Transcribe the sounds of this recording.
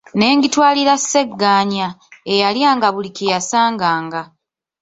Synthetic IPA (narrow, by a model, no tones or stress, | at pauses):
ne̞ːɲɡitwaːliɾasːe̞ɡːaːɲaejaljaːŋɡaβulikijasaːŋɡaːŋɡa